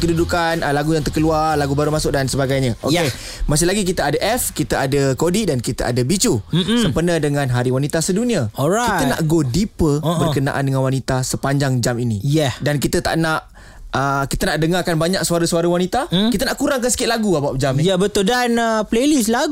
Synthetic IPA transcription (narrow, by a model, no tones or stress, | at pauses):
kədudukanəlaɡujaŋt̪ərkəluarlaɡubaɾumasʊk̚dansəbaɡajɲaʔojke | masɪlaɡik̬it̪əadaʔɛfkit̪əadəkodidankit̪ə̰ʔa̰dəbit͡ʃusəmpərnədəŋãnɦaɾiwanit̪asədunĩaɔɾakiəna̰ʔɡodipəbərkəna̰ʔa̰ndəŋanwanit̪asəpaɲd͡ʒaŋd͡ʒaminijɛdankit̪ət̪a̰ʔnaʔ | əkit̪ənaʔdəŋarkanbaɲak̚suaɾəsuaɾəwanit̪akit̪ənaʔkuɾaŋkansə̥kɪt̪̚laɡuabap̚d͡ʒamnijabət̪ʊldanəplelislaɡ